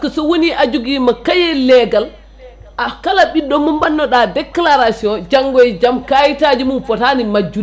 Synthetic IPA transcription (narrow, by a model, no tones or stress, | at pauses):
kɔsɔwoniʔad͡ʒuɡiːmakajɛlɛɡal | ʔakalaɓidɔmumbanːɔɗadɛkːlaɾasiɔnd͡ʒaŋɡɔjd͡ʒamkajitad͡ʒimunfɔtanimad͡ʒːu